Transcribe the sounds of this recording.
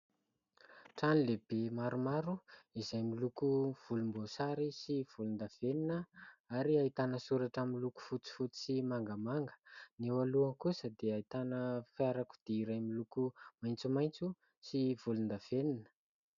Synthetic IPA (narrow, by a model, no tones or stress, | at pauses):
ʈ͡ʂanileb̥emaɾumaɾuizajmilukuv̥ulumbosaɾisiv̥ulund̪av̥eninəaɾiait̪anəsuɾaʈ͡ʂamiluku̥fut͡si̥fut͡si̥simaŋɡamaŋɡə̥newaluaŋkusəd̪eait̪anəfaɾaku̥d̪̥eiɾajmilukumajnt͡sumajnt͡su | siv̥ulund̪av̥eninə̥